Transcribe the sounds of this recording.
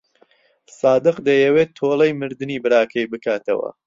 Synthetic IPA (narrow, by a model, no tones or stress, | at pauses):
sɑːd̪ɨqd̪ɐjɛwet̪ʰːolˠɐjmɨɾd̪ɨniːbɨɾaːkʰɐjbɨkaːt̪ɐ̰wɐ̰